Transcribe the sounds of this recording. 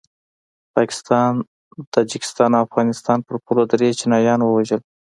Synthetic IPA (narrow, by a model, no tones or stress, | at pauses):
pɑkɪ̥st̪ɑn | t̪ɑd͡ʒikɪ̥st̪ɑnawafɣɑnɪst̪ɑnpəɾpulod̪ɾet͡ʃɪnɑjɑnwəwaʒəl